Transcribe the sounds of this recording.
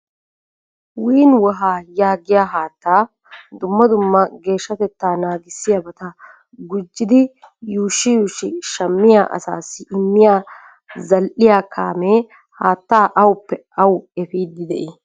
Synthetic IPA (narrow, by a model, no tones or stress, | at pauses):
wiːnwɔɦaːjaːɡɪjaːɦaːt̪ːaː | d̪ʊmːɐd̪ʊmːɐɡe̞ːʃːɐt̪ɛt̪ːaːnaːɡɪsːɪjabɐt̪ɐ | ɡʊd͡ʒːɪd̪ɪ | juːʃːɪjuːʃɪʃɐmːɪjaːʔɐ̰sa̰ːsːɪʔɪmːɪjaː | zɐlʔɪjaːkʰa̰ːmeː | haːt̪ːaːʔɐwʊpːɛ | ɐwɛfiːd̪ɪd̪ɛʔɪ